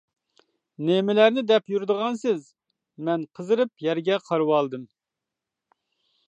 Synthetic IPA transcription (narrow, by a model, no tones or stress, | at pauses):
nemɪlæɾnɪd̪ɛpjuɾd̪əʁɑnsɪz | mɛnqʰəzɨɾɨpjɛɾɡʲɛqʰɑɾwɑlˠd̪ɨm